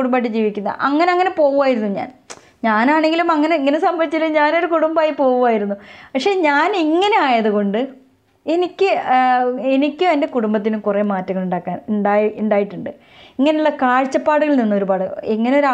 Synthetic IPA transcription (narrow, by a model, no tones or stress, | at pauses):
uɽumbaːʈ̬ːɨd͡ʑiːʋikʲːunːɐ̰ʔɐ̰ŋːɐneɐŋːɐne̞po̞ːɣuʋaːjiɾunːuɲa̰ːn | ɲaːnaːɳe̞ŋɡilumɐŋːɐne̞iŋːɐnesɐmbʱɐʋit͡ɕːilumɲaːno̞ɾukuɽumbaːjipo̞ːɣuʋaːjiɾunːupɐkʂe̞ːɲaːniŋːɐne̞aːjɐðuɣo̞ɳɖɨ | e̞nikʲːɨ | enikʲːɨɐnde̞kuɽumbɐt̪̬ːinumkure̞ːmaːtːɐŋːɐɭuɳɖaːkːaːnɳɖaːuɳɖaːjiʈːuɳɖɨ | iŋːɐneuɭːɐkaːɻt͡ɕːɐpːaːɽuɣɐɭninːuo̞ɾubaːɽɨeŋːɐneo̞ɾa